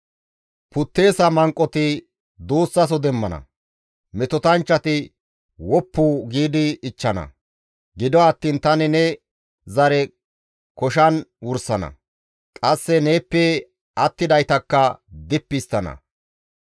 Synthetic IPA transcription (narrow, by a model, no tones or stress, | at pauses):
pʊt̪ːe̞ːsɐmɐŋkʼːɔt̪ɪ | d̪uːsːɐs̬ɔd̪ɛmːɐnɐ̰ | mɛt̪ɔt̪ɐnt͡ʃːɐt̪ɪ | wɔpːuːɡiːd̪ɪːt͡ʃːɐnɐ̰ | ɡɪd̪ɔɐt̪ːiːnt̪ɐnɪnɛ | zɐɾɛ | kɔʃ̬ɐnwʊɾsɐnɐ̰ | kʼɐsːɛne̞ːpːɛ | ɐt̪ːɪd̪ɐjt̪ɐkːɐd̪ɪpːɪst̪ːɐnɐ̰